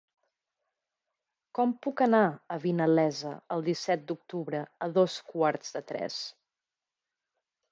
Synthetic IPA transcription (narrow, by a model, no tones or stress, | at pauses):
kɔmpukənaəβinəlɛzəəlˠd̪isɛt̪̚d̪uk̚t̪uβɾəəðoskwaɾz̥ðət̪ɾɛ̰s